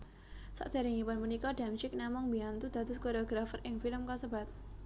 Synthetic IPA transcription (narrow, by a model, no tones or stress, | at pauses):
sa̰ʔd̪̥a̤ɾiŋipanmunikɔɖamʃɪk̚namɔŋbiant̪ud̪̥ad̪ʊskoɾjoɡɾafərʔɪŋfiləmkɔsəbat̪̚